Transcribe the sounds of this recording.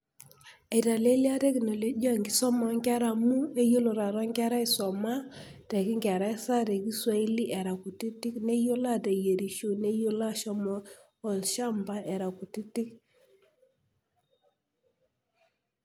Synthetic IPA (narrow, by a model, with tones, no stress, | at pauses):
a˨ta˨le˦lja˦te˦ki˨no˨le˦d͡ʒɔ˦˨ŋɡi˦sɔ˦mɔ˨˦ŋɡa˦ɾa˨mu˦e˦jo˦lo˨ɾa˨ɾɔ˦ŋɡɛ˦ɾa˦ɪ˦˨sɔ˨ma˦te˨ki˦ŋɡa˨ɾa˦i˦sa˦ɾe˨ki˦swa˦i˦li˦ʔɛ˨ɾa˨ku˨ti˦ti˦kne˦jo˦la˦˨te˨je˨ɾi˨ʃo˦ne˦jo˦la˦ʃɔ˦mɔː˦˨ | lʃa˦˨mba˦ʔɛ˨ɾa˨ku˨ti˦ti˦k